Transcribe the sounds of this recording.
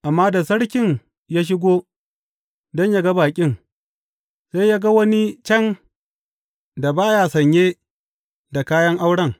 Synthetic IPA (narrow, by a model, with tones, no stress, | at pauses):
ʔa˨mːaː˦da˨sɐ˦ɽkʲɪ˦n | jaː˦ʃ̬ɪ˦ɡʷoː˦ | dɔ˦ɲja˦ɡa˦baː˨kʲʼɪ˦ŋ | sa˦jja˦ɡa˦wɐ˦ni˦t͡ʃɐ˦˨n | da˨baː˦jaː˦sɐ˨ɲjeː˦ | da˨kaː˦jɐ˦ŋʔa˦wɽɐ˦˨ŋ